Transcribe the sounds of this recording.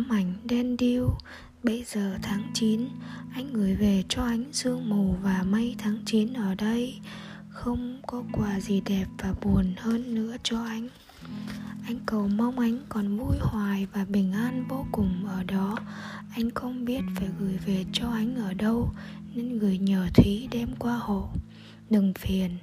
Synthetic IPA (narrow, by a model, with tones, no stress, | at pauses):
mʔa˧˩jŋ̟ɗɛ˧nɗi˧w | ɓə˧jzəː˨˩t̪ʰaː˨˦ŋt͡ɕi˨˦nʔa˧jŋ̟ɣɨ˧˩jve˨˩t͡ɕɔ˧ʔa˨˦jŋ̟zɨ˧əŋmu˨˩wvaː˨˩ma˧jt̪ʰaː˨˦ŋt͡ɕi˨˦nʔəː˧˩ɗə˧j | xə˧wŋ͡mkɔ˨˦kwaː˨˩zi˨˩ɗɛ˨˩p̚v̥aː˨˩ɓu˨˩ənhəː˧nːɨ̰˧˥ət͡ɕɔ˧ʔa˧jŋ̟ | ʔa˧jŋ̟kə˨˩wma˧wŋ͡mʔa˨˦jŋ̟kɔ˨˩nvu˧jhwaː˨˩jvaː˨˩ɓï˨˩ŋ̟ʔaː˧nvo˧kʊ˨˩ŋ͡mʔəː˧˩ɗɔ˨˦ | ʔa˧jŋ̟xə˧wŋ͡mɓi˦˥ət̚faː˧˩jɣɨ˧˩jve˨˩t͡ɕɔ˧ʔa˨˦jŋ̟ʔəː˧˩ɗə˧wne˧nɣɨ˧˩əjɲəː˧˩t̪ʰwi˨˦ɗɛ˧mkwaː˧ho̰˧˨ | ɗɨ˨˩ŋfi˨˩ən